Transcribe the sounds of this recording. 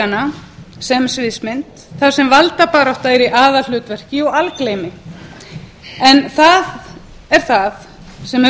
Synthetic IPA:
anasɛmsvɪðsmɪnt̪ | θaðsɛmvalt̪apaːɾɔht̪aɛɾiʔaːðal̥ʏːt̪vɛr̥cɪɔɣalklejmɪ | ɛnθað | ɛɾ̥θað | sɛm

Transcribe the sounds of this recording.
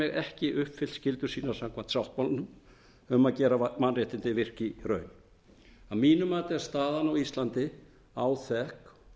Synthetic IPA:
ɛɣɛhcɪʔʏhpfɪlscɪlt̪ʏɾ̥siːnaɾ̥samkʰvan̥t̪sjawht̪̚pawlnʏm | ʏmaðcɛːɾamanrɪːht̪ɪnt̪ɪvɪr̥cɪrœ̰ːɥn | aðmiːnʏmaːt̪ɪɛɾst̪aːðanawist̪lant̪ɪ | awθɛhk

